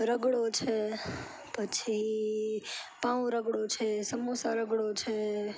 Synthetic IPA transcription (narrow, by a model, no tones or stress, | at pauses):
ɾəɡɽot͡ʃʰe | pət͡ʃʰi | pãw̃ɾəɡɽot͡ʃʰesəmosaɾəɡɽot͡ʃʰe